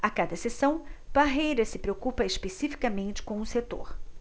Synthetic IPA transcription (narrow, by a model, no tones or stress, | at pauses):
akad̪ɐsesɐ̃w̃b̥aɦejɾɐsɪpɾeokupɐespesifi̥kɐmẽnt͡ʃɪ̥kõw̃ʊset̪o̰ɾ